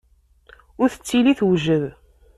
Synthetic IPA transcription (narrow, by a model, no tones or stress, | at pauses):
ʊɾθə̥t͡sːiliθwʒəð